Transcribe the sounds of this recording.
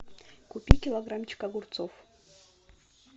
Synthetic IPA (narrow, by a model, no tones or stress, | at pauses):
kʊpʲikʲɪlˠɐɡɾamt͡ɕɪ̥kaɡʊrt̪sof